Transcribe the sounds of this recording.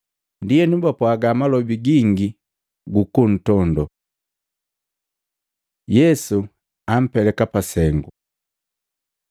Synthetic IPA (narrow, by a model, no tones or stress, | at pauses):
ndijɛnubapwaɡamalɔbiɡiŋɡi | ɡukun̩tɔndɔ | jɛsu | am̩pɛlɛkapasɛŋɡu